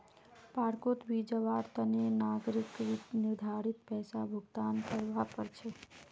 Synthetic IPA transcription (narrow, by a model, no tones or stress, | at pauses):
paːɾkot̪bid͡ʒəʋaɾt̪ənenaɡɾikɾit̪nɪɾd̪ʱaɾit̪̚pɛːsabʱʊɡt̪ankəɾʋapəɾt͡ʃʰe